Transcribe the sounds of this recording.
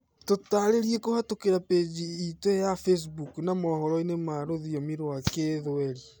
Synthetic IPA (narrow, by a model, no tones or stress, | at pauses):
totaɾeɾiekohatokeɾaped͡ʒiːtwejafes̬buknamɔhɔɾɔinemaɾoðiɔmiɾoakeðoɛɾi